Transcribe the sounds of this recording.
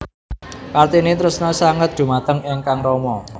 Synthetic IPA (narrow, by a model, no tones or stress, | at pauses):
kart̪inet̪ɾʊsnɔsaŋət̪̚d̪̥ṳmat̪əŋɪŋkaŋɾɔmɔ